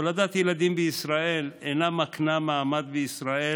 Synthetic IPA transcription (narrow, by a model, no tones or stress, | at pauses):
olad̪at̪jelad̪imbeisʁae̞lenamaknamaamad̪̚beisʁae